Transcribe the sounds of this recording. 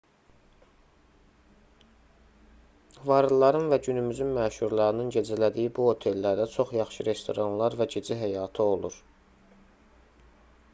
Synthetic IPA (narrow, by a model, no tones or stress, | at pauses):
vɑɾɯlˠɑɾɯnvæɟynymyzynmæːʃuɾlˠɑɾɯnɯnɟe̞d͡ʒilæd̪ijibuo̞t̪ʰe̞lːæɾd̪æt͡ʃʰo̞χjɑχʃɯɾe̞st̪ʰo̞ɾɑnlˠɑɾvæɟed͡ʒiɦæjɑt̪ʰɯo̞lˠuɾ